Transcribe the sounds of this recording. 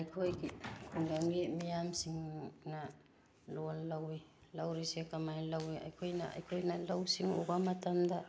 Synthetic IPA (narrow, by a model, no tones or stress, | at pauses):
ajkʰojkikuŋɡaŋɡemiamsiŋna | lollawilawɾisiakamajlawia̰jkʰojna̰a̰jkʰojnalawsiŋoɡamatamda